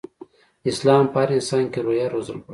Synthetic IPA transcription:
ɪslɑːmpaaɾɪnsɑnkeɾojaɾozəlp

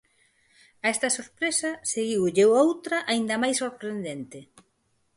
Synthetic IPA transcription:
ɐɛst̪ɐsoɾpɾesɐseɣiwʎewowt̪ɾɐʔaind̪ɐmajsoɾpɾend̪ent̪ɪ

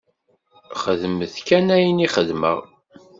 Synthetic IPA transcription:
χəðməθkænæjniχəðmə̰ʁ

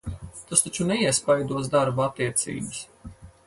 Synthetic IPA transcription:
t̪ast̪at͡ʃunɛiɛspajd̪uɔs̬d̪aɾbaat̪ːiɛt̪sḭːbɨs

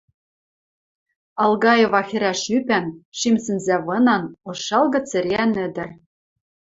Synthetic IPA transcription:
ɑlˠɣɑjĕvɑxɘ̆ɾæʃypænʃimsɘ̆nzæβɤ̆nɑnoʃɑlɣɤ̆t͡sɘ̆ɾʲeænɘ̆d̪ɘ̆r

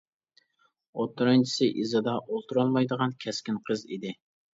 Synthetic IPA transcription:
ot̪ːuɾɑnt͡ʃʰi̥sɪʔizɨd̪ɑʔolˠt̪ʰuɾɑlˠmɑjd̪əʁɑnkʲʰɛskʲinqʰəzḭd̪ɪ

